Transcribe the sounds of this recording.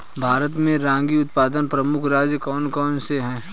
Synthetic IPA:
bʱaːɾət̪mẽɾãːŋɡiʊt̪̚paːd̪ənpɾɐmʊkʰɾaːd͡ʒjəkɔːnkɔːnseɦɛ̃ː

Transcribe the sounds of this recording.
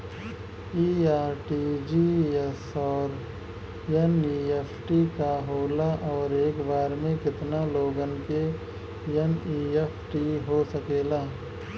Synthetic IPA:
iːaːɾʈid͡ʒiːɛsɔːɾ | jɐniːepʰʈikaɦoːlaʔɔːɾeːkbaːɾmẽkɪt̪naloːɡənke | jəniːeːpʰʈiɦosɐkeːlaː

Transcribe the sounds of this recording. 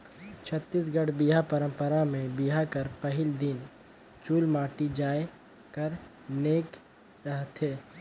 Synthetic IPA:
t͡ʃʰət̪ːiːs̬ɡəɽbiɦapəɾə̃mpəɾamẽbiɦakəɾpəɦɪld̪ɪn | t͡ʃuːlmaːʈid͡ʒaːe | kəɾ | neːk | ɾəɦt̪ɦeː

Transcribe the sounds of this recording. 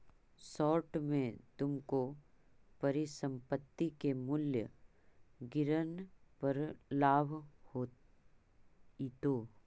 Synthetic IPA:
sɔːɾʈmẽt̪ʊmko | pɐɾisə̃mpət̪ːikemʊljə | ɡɪɾənpəɾlaːbʱho | it̪oː

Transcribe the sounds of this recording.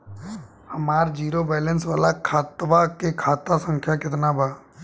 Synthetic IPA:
hɐmaːɾd͡ʒiːɾobɛːlə̃nsʋaːlakʰaːt̪ʋakekʰaːt̪asə̃ŋkʰjakɪt̪nabʱaː

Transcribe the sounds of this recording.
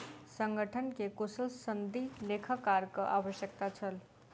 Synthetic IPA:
sə̃ŋɡʱəʈʰənkekʊsəlsənd̪ʱileːkʰəkːaɾkaʔaːʋəʃjək̚t̪at͡ʃʰəl

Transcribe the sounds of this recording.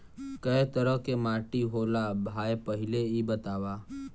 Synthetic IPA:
kəet̪əɾəkemaːʈiɦoːlabʱaːjpəɦɪleibət̪aːʋaː

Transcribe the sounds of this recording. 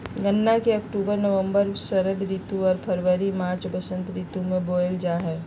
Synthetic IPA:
ɡənːakeɐkʈuːbəɾnəʋə̃mbəɾsəɾəd̪ɾiːt̪uɔːɾpʰəɾʋəɾimaːɾt͡ʃbəsə̃nt̪ɾiːt̪umẽboːəld͡ʒaːɦɛː

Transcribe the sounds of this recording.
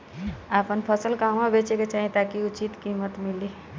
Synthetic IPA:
apʰənpʰəsəlkamabet͡ʃeket͡ʃaɦĩt̪akiut͡ʃit̪kimət̪mili

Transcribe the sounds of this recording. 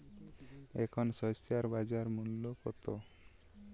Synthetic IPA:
ekʰɔnsɔjsjaɾbad͡ʒaɾmunlopɔt̪o

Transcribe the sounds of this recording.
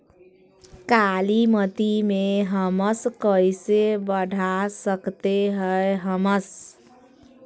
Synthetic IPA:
kalimət̪imeɦəməskəjsebəɖʱasəkt̪eɦəeɦəməs

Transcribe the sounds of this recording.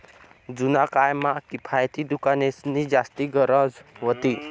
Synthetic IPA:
d͡zunakajmakipʰajt̪id̪ukanesnid͡zast̪iɡəɾəd͡zɦot̪i

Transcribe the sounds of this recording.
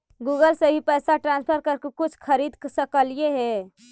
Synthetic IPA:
ɡuɡəlsəɦipəjsaʈɾãnspʰəɾkəɾkekut͡ʃʰkʰəɾid̪ksəkəlijeɦɛ

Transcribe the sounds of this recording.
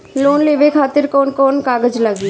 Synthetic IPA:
lonlebekʰat̪eɾkonkonkaɡed͡ʑlaɡi

